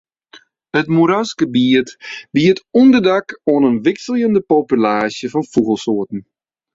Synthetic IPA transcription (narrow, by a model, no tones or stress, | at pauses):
ətmuɾaskəbiətbiətɔndərdakoənənʋɪksəlˠjəndəpopylaːsjəfɔnfuɣəlˠsoətn̩